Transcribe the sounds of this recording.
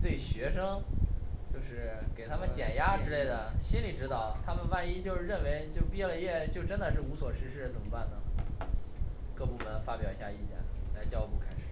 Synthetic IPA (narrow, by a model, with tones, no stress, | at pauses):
t̪we˥˩ɪɕɥɛ˧˥ʂɤ˥ŋ | t͡ɕjo˥˧ʊʂɻ̩˥˩ke˨˩ɪt̪ʰa˥mə˨nt͡ɕjɛ˨˩nja˥ʈ͡ʂɻ̩˥le˥˩ɪd̪ə˩ɕi˥nli˨˩ʈ͡ʂɻ̩˥t̪ɑ˥˩ʊt̪ʰa˥mə˨nwa˥˧ni˥t͡ɕjo˥˧ʊʂɻ̩˥˧ɻə˥˩nwe˧˥ɪt͡ɕjo˥˧ʊpjɛ˥˩lə˧jɛ˥˩t͡ɕjo˥˩ʊʈ͡ʂə˥nd̪ə˨ʂɻ̩˥˩u˧˥swɔ˨˩ʂɻ̩˥˧ʂɻ̩˥˩t͡sə˨˩nmə˦pa˥˩nd̪ə˩ | kɤ˥˧pu˥˩mə˧˥nfa˥pjɑ˨˩ʊi˧˥˩ɕja˥˧i˥˩t͡ɕjɛ̰˥˩nla˧˥ɪt͡ɕjɑ˥ʊpu˥˩kʰa˥ɪʂɻ̩˨˩˦